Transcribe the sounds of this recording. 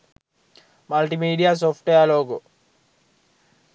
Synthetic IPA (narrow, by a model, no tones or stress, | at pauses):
mɐlʈimiːɖijas̬oːfʈejaloːku